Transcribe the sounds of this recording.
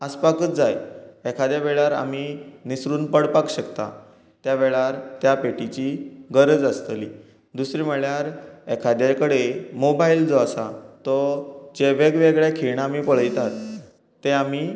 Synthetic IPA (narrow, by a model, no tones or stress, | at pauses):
əspakət͡sd͡zajɛkʰad̪jaʋeɭaɾa̰minisɾuːnpəɽpakɕəkt̪a̰ | t̪jaʋeɭaɾt̪japeʈit͡ɕiɡəɾəd͡zəst̪liː | d̪usɾiːməɭjaɾɛkʰad̪jakəɽemobaild͡zɔasat̪ɔd͡ʑeʋeɡʋeɡɭjakʰiɳ̃aaːmiːpəɭ̤əjt̪at̪ː | eami